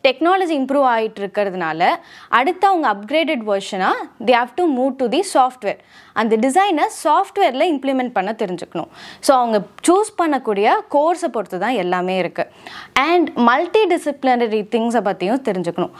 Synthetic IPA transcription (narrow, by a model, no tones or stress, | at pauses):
ʈɛknaːlɐd͡ʒiɪmpɾuːʋaːjɪʈːɪɾɯkːɪɾɐðɯnaːlɐʔɐɽɯt̪ːɐɐʋɐŋɡɐːp̚ɡɾeːɖɛɖʋɐɾʂɐnaːd̪eːɦaːʋʈumuːʈud̪isaːfʈʋeːɾ | ʔɐnd̪ɐɖɪs̬ɐɪnɐsaːfʈʋeːɾɪlɐɪmplɪmɛɳʈ̚pɐɳːɐt̪ːɛɾɪɲd͡ʒɯkːɐɳʊ̰̃soːɐʋɐŋɡɐt͡ʃuːspɐɳːɐkːuːɽɪjɐkoːɾsɐpːɔɾɯt̪ːɯt̪ãːɛlːaːmeːɪɾɯkːɯɛɳɖmɐlʈiɖɪsɪplɪnɐɾit̪ʰɪŋɡsɐpɐt̪ːɪjʊ̃t̪ɛɾɪɲd͡ʒɯkːɐɳʊ̃